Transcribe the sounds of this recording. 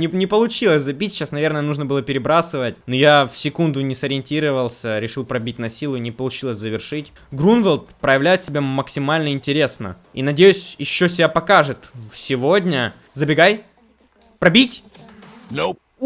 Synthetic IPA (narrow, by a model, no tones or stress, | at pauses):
nʲɪnʲɪpəlˠʊt͡ɕilˠəsʲzɐbʲitʲɕasnɐvʲe̞rnəjənuʐnəbɨlˠəpʲɪɾʲɪbɾasɨvətʲnojafsʲɪkund̪ʊnʲɪsɐɾʲɪɪnʲtʲiɾəvəlˠsʲəɾʲɪʂɨlˠpɾɐbʲitʲnɐsʲilˠʊnʲɪpəlˠʊt͡ɕilˠəsʲzəvʲɪrʂɨtʲ | ɡɾunvəlˠt̪pɾəjɪvlʲæjʊt̪sʲɪbʲaməksʲɪmalʲnəɪnʲtʲɪɾʲe̞snə̰ | inɐdʲejʉsʲjɪɕːosʲɪbʲapɐkaʐɨt̪fsʲɪvodʲnʲə | zəbʲɪɡaj | pɾɐbʲitʲ